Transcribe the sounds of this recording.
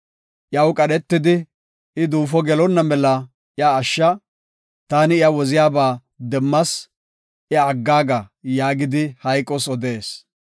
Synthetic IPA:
ʔjɐwkʼɐɗɛt̪ːɪd̪ɪ | ɪd̪uːfɔɡɛlɔnːɐmɛlːɐ | ʔɪjaːʃːɐ | t̪aːnɪɪjɐwɔzɪjaːbaː | d̪ɛmːɐs | ʔɪɐːɡːaːɡɐjaːɡɪd̪ɪhɐjkʼːɔsɔd̪e̞ːs

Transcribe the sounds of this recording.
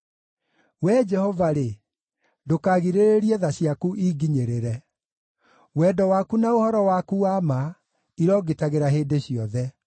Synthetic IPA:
wɛd͡ʒɛhɔvaɾe | dokaɣiɾeɾeɾiɛðaɕiakuʔiɡiɲeɾeɾɛ | wɛdɔwakunaohɔɾɔwakuama | iɾɔːɡetaɣeɾaɦeːdeɕiɔðɛ

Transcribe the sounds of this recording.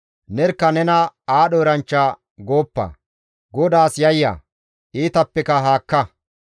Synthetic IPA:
nɛɾkːɐnɛnɐaːɗoːɾɐnt͡ʃːa | ɡoːpːɐ̰ | ɡɔd̪aːsjɐjːa̰ | ʔiːt̪ɐpːɛkɐɦaːkːɐ

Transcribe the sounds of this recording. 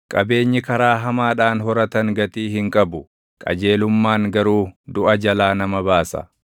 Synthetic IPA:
kʼɐbe̞ːɲːɪkɐɾaːɦɐmaːᶑaːnɦɔɾɐt̪ɐŋɡɐt̪iːhɪŋkʼɐbʊ | kʼɐ̰d͡ʒe̞ːlʊmːaːŋɡɐɾuːd̪ʊʔɐd͡ʒɐlaːnɐmɐbaːsɐ̰

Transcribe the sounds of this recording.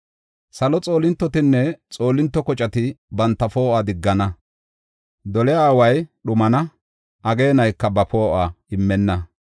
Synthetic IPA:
sɐlɔt͡sʼo̞ːlɪnt̪ːɔt̪ɪnːɛt͡sʼo̞ːlɪnt̪ːɔkɔt͡ʃʼɐt̪ɪbɐnt̪ːɐfo̞ːʔad̪ɪɡːɐnɐ | d̪ɔlɛjaːwɐjɗʊmɐnɐ | ʔɐɡe̞ːnɐjkːɐbɐpo̞ːʔaːɪmːɛnːɐ

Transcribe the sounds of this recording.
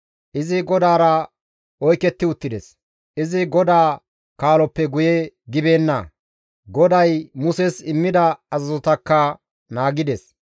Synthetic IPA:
ʔɪzɪɡɔd̪aːɾɐ | ɔjkɛt̪ːɪʊt̪ːɪd̪ɛs | ʔɪzɪɡɔd̪aː | kaːlɔpːɛɡʊjɛɡɪbeːnːɐ | ɡɔd̪ɐjmʊsɛsɪmːɪd̪ɐɐzɐzɔt̪ɐkːɐ | naːɡɪd̪es

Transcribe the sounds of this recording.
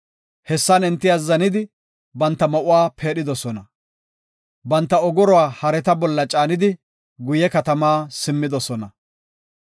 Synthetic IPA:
hɛsːɐnɛnt̪ːɪjazɐnɪd̪ɪ | bɐnt̪ːɐmɐʔʊwaːpʰe̞ːɗɪd̪ɔsɔnɐ | bɐnt̪ːɐɔɡɔɾɔwaːhɐɾɛt̪ɐbɔlːɐt͡ʃʼaːnɪd̪ɪ | ɡʊjɛkɐt̪ɐmaːsɪmːɪd̪ɔsɔnɐ

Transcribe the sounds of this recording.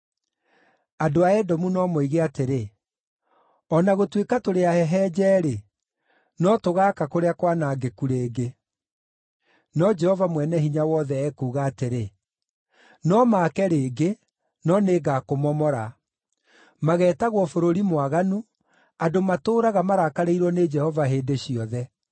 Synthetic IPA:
adoaɛdɔmunɔmoiɣeateɾe | ɔnaɣotwekatoɾeahɛɦɛːd͡ʑɛːɾe | nɔtoɣaːkakoɾeakwanaɡekuɾeːɡe | nɔd͡ʒɛhɔvamwɛnɛhiɲawɔðɛːkuːɣaːteɾe | nɔmaːkɛɾeːɡe | nɔneːɡakomɔmɔɾa | maɣɛːtaɣwɔfoɾoɾimwaɣanu | adomatoːɾaɣamaɾakaɾeiɾwɔned͡ʒɛhɔvaɦeːdeɕiɔðɛ

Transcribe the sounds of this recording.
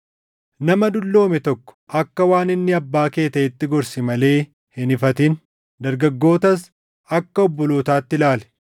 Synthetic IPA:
nɐmɐd̪ʊlːo̞ːmɛt̪ɔkːɔ̥ʔɐkːɐwaːnɪnːɪɐbːaːke̞ːt̪ɐɪt̪ːɪɡɔɾsɪmɐle̞ː | hɪnɪfɐt̪ɪn | d̪ɐɾɡɐɡːo̞ːt̪ɐs | ɐkːɐɔbːɔloːt̪aːt̪ːɪlaːlɛ̥

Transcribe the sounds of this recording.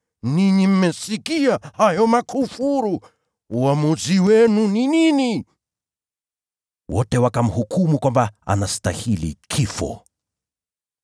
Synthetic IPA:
niɲim̩mɛsikiahajɔmakʰufuɾu | uamuziwɛnuninini | wɔtɛwakam̩hukʰumukwambaa̰nastahilḭkʰifɔ̰

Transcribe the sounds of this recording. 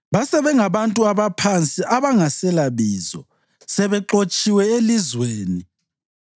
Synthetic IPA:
βasɛβɛŋaβantʼuaβapʰant͡sʼiʔaβaŋasɛlaβiːzɔ̰ | sɛβɛǁot͡ʃʼiwɛelizweːni

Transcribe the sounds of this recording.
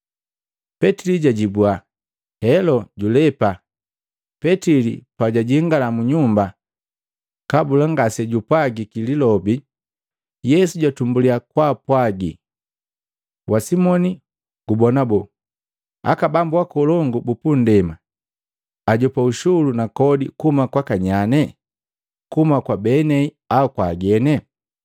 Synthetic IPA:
pɛtiliɟaɟibua | hɛlɔɟulɛpa | pɛtilḭpaɟaɟiŋɡalamuɲumba | kabulaŋɡasɛɟupwaɡikililɔbi | jɛsuɟwatumbuliakwapwaɡi | wasimɔni | ɡ̥ubɔnabɔ | a̰kabambuwakɔlɔŋɡubupun̩dɛma | aɟɔpauʃulunakɔdḭkuhumakwakaɲanɛ | kumakwabɛnɛi | aukwaːɡɛnɛ

